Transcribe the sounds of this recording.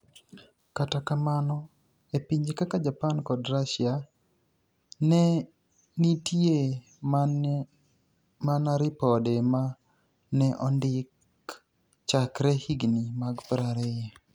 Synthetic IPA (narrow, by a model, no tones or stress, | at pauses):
katakamanɔ | epiɲd͡ʒkakad͡ʒapankɔdɾaʃja | nɛ | nitje | manaɾipɔdema | nɛʔɔndɪk | t͡ʃakɾɛhiɡnimaɡpɾaɾɛja